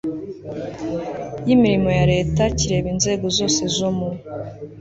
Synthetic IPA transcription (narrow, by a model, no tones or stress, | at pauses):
jimiɾimo̞jaɾe̞ːtaciɾe̞ːβinze̞ːɡo̞zo̞ːse̞zomu